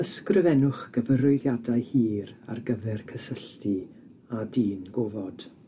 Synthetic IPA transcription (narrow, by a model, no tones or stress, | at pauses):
əskrɪvɛnʊχɡ̥əvəɾʊɨðjadaɨhiːra̰rɡəvɛrkʰəsəɬtʰi | adiːnɡovɔd̥